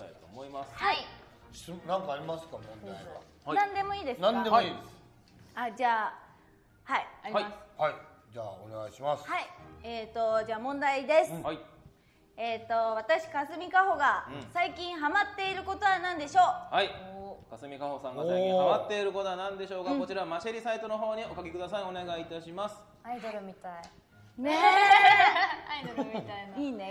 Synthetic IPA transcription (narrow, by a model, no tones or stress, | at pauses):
t̪a̰it̪oːmoimashai̥ | ɨnãŋkaːɾʲimasɨ̥kamõnda | nãnd̪e̞mo̞iːd̪e̞snãnd̪emiːd̪es | ad͡ʑaː | haiaɾʲiasɨ̥haid͡ʑaːo̰ne̞ɡa̰iɕimasɨ̥haieːt̪o̞d͡ʑaːmõ̞nd̪aid̪e̞sɨi | e̞ːt̪ːo̞βat̪aɕi̥kasɨmʲikaɦo̞ɡasaikʲĩɰ̃ɦamat̪ːe̞iɾɯ̟ko̞t̪o̞βanãnd̪e̞ɕo̞ːhaikasɨmʲikaho̞sãŋɡasaiĩhaamat̪ːe̞iɾɯ̟kot̪oanãnd̪e̞ɕo̞ːkako̞t͡ɕiɾamaɕeɾʲisait̪o̞no̞ɦo̞ːɲ̟io̞kakʲekɯ̟d̪asaio̞ne̞ɡait̪aɕimasɨ̥ | aid̪oɾɯmʲit̪ai | ne | aid̪oɾmit̪ainiːne